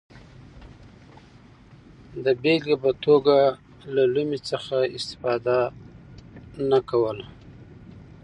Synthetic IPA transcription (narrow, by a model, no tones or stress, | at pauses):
d̪əbelɡabat̪oɡa | lalumit͡səxaɪst̪ɪ̥fɑd̪a | nakawəla